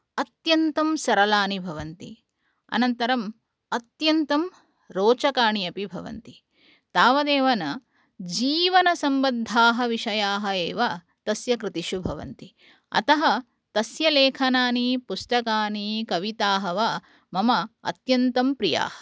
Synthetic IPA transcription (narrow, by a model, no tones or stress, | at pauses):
ɐt̪jɐnt̪ɐmsɐɾɐlaːnibʱɐʋɐnt̪i | ɐ̰nɐnt̪ɐɾɐm | ɐt̪jɐnt̪ɐm | ɾoːt͡ʃɐkaːɳijɐpibʱɐʋɐ̰nt̪i | t̪aːʋɐd̪eːʋɐnɐ | d͡ʒiːʋɐnɐsɐmbɐd̪ʱaːɦɐʋiʃɐjaːɦɐeːʋa | t̪ɐsjɐkɾɪt̪iʃubʱɐʋɐ̰nt̪i | ɐ̰t̪ɐɦɐ | t̪ɐsjɐleːkʰɐnaːnipusʈɐkaːnikɐʋit̪aːɦɐʋa | mɐmɐɐ̰t̪jɐnt̪ɐmpɾija̰ːɦɐ̥